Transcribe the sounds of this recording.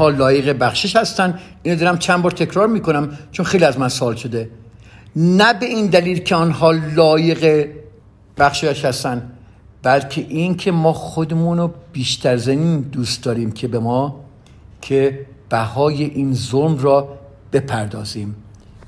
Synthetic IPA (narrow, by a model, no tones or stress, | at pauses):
nhɒːlɒːje̞ɣe̞bæxʃeʃhæst̪ænd̪ʔiːnod̪ɒɾæmt͡ʃʰænbɒːɾt̪ʰe̞kʰɾɒːɾmiːko̞næmt͡ʃʰo̞nxejliæzmænsoɒːlʃod̪e̞ | næbeiːnd̪æliːlcʰe̞ɔnɦɒːlɒːje̞ɣe̞ | b̥æxʃeʃhæst̪ænd̪ | b̥ælcʰe̞ʔiːncʰe̞mɒːxod̪emuːnob̥iːʃt̪æɾzæmiːnd̪uːst̪̚d̪ɒːɾiːmcʰe̞bemɒː | kʰe̞b̥æhɒːje̞ʔiːnzolmrɒː | b̥e̞pʰæɾd̪ɒːziːm